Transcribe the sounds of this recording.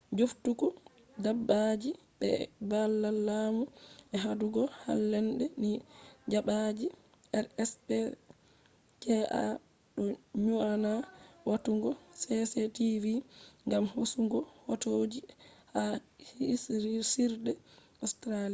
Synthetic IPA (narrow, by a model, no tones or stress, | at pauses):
d͡ʒuftukɔ | dabːad͡ʒi | ɓɛ̰balːalːamuʔɛɦaduɡɔha̰lːɛnɗɛnid͡ʒaɓad͡ʒi | ɛɾɛspɛ | t͡ʃɛʔa̰ | ɗɔɲuanawatuŋɡɔsɛsetiviŋɡamhosuŋɡɔhɔtod͡ʒihahsisiɾdɛ | ɔstɾalia